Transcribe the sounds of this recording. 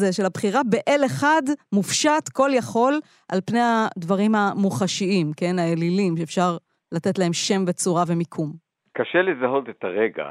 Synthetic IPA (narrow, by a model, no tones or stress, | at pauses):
zeʃelabχiʁabeʔeleχadmufʃatko̞ljaχo̞l | ʔalpne̞jadvaʁimamuχaʃiimke̞naelilimʃeefʃaʁ | late̞tlae̞mʃe̞mve̞t͡suʁave̞mikʰum | kaʃelezaɦo̞t̪et̪aʁeɡa̰